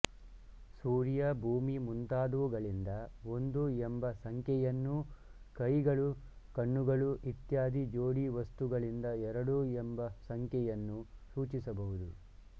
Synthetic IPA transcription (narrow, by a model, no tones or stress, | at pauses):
suːɾijɐbʱuːmimunt̪aːd̪uʋuɡɐɭind̪ɐo̞nd̪uembɐsɐŋkʰjɛjɐnːukɐjɡɐɭu | kɐɳːuɡɐɭuʔit̪jaːd̪id͡ʒoːɽiʋɐst̪uɡɐɭind̪ɐɛɾɐɽuembɐsɐŋkjɛjɐnːusuːt͡ʃisɐbɐɦud̪u